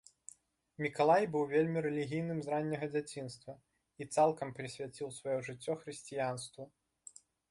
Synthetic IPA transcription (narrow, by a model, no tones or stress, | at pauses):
mʲikalˠajbɨwvʲelʲmʲiɾɛlʲiɣʲijnɨmzɾanʲːɐɣɐd͡zʲat͡sʲinst̪vɐ | it̪salˠkɐmpɾɨsʲvʲat͡sʲiwsvajɔʐɨt͡sʲːɔxɾɨsʲt͡sʲijanst̪vɐ